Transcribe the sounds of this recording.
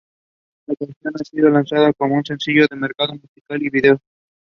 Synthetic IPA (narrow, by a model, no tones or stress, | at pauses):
lakanθjo̞nasiðo̞lansaðakomounse̞nsiʝo̞ðe̞me̞ɾkaðomusikaliβiðeo